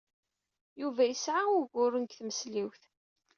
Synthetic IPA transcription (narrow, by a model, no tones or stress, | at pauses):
juvæjəsʕaʊɾɡʊrənkθməsliwθ